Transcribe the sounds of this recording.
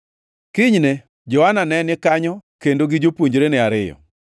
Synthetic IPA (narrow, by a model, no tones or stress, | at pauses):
kɪɲne | d͡ʒɔananɛnɪkaɲɔkendoɡɪd͡ʒopoɲd͡ʒɾenɛaɾɪjɔ̰